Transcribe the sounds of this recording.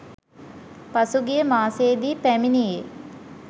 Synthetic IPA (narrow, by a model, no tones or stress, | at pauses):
pasuɡijəmaːseːd̪iːpæminije